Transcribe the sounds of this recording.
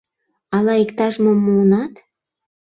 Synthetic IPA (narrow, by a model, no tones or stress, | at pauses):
ɑlɑikt̪ɑʒmomːuːnɑt̪